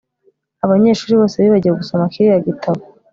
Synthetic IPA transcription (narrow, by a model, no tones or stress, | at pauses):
aβaɲe̞ːʃuːɾiβo̞ːseβiβaɟiɾaɡusomakiɾijaɡitʰaβo